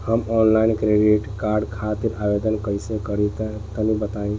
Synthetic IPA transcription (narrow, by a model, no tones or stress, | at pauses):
həmɔnlainkɾeɖiʈkaɾɖkʰat̪iɾabed̪ənkəjsẽkəɾit̪t̪ənibət̪aĩ